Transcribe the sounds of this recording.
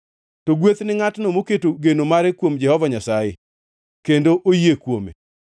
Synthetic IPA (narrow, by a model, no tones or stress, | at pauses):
toɡwet̪nɪŋatnomoketoɡenomaɾɛkwomd͡ʒɛhɔvaɲasajɪ̰ | kendoʔojekwomḛ